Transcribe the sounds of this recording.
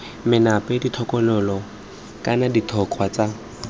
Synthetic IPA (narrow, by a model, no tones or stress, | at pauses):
mɪnapʼeditʰɔkʼɔlʊlɔ | kʼanaditʰɔq͡χʰwat͡sa